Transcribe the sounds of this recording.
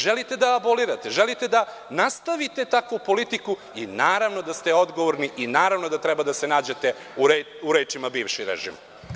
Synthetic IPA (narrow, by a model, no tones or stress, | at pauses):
ʒelit̪e̞d̪aaboliɾat̪eʒelit̪e̞d̪a | nast̪aʋit̪et̪akopo̞lit̪iku | inaːɾaʋno̞d̪ast̪e̞o̞d̪ɡo̞ʋoɾniʔinaːɾaʋno̞d̪at̪ɾɛbad̪asenaːd͡ʑet̪e̞ | uɾe | uɾeːt͡ʃimabiːʋʃiɾḛʒḭːm